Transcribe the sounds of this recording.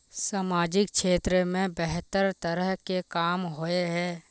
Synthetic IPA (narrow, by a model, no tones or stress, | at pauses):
saːmaːd͡ʒɪk̚kʃeːt̪ɾəmẽbɛɦt̪əɾt̪əɾəɦkekaːmɦoeɦɛː